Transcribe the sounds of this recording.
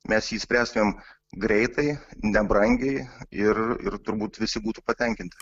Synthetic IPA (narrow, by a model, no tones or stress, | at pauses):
mʲɛsjiːsʲpʲɾʲæːst̪ʊmʲeːm | ɡɾʲɛɪt̪ɐɪnʲɛbɾɐŋʲɡʲɛɪɪrɪ̰ɾt̪ʊɾbuːt̪ʋʲɪsʲɪbuːt̪uːpɐt̪ʲɛŋʲkʲɪnt̪ʲɪ